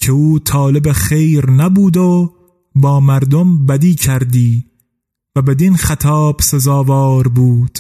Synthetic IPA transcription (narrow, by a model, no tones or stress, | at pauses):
kʰeuːt̪ʰɒːlebexejɾnæbuːd̪o | bɒːmæɾd̪ombæd̪iːcʰæɾd̪iː | væbed̪inxæt̪ʰɒːb̥sezɑːvɒːɾbuːd̪̥